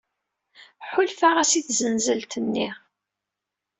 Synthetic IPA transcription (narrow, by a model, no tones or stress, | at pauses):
ħʊlfaʁæsiθzənzəlt̪ənːi